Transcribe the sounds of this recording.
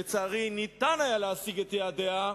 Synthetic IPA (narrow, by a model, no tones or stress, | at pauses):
et͡saːʁinit̪anajaleasiɡet̪jeadea